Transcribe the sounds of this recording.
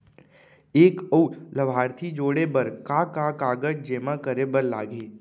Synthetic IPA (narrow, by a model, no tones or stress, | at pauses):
eːkəʊʈləbʱaːɾt̪ʰid͡ʒoːɽebɐɾkaːkakaːɡəd͡ʒd͡ʒeːmãkəɾebəɾla̰ːɡeː